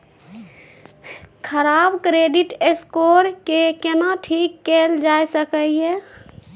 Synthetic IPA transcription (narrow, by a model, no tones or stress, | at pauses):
kʰəɾabkɾeɖiʈeskoɾkekenaʈʰikːeld͡ʒajsəkəje